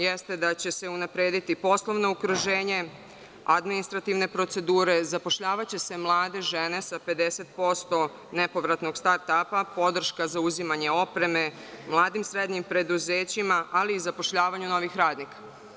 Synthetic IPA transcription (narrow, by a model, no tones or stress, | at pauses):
jest̪e̞d̪at͡ɕe̞se̞unapɾe̞ːd̪it̪ipo̞slˠoʋno̞ukɾuʒe̞ːɲe̞ | ad̪minist̪ɾat̪iʋne̞pɾo̞t̪se̞d̪uːɾe̞zapo̞ʃʎaːʋat͡ɕe̞se̞mlˠaːd̪e̞ʒe̞ne̞sape̞d̪e̞set̪̚po̞st̪o̞ | ne̞po̞ʋɾat̪no̞ɡst̪aɾt̪apapo̞d̪r̩ʃkazauzimaɲe̞o̞pɾe̞me̞ | mlˠaːd̪imsɾe̞d̪ɲimpɾe̞d̪uze̞ːt͡ɕimaaliːzapo̞ʃʎaːʋaɲuno̞ʋixɾaːd̪nikḁ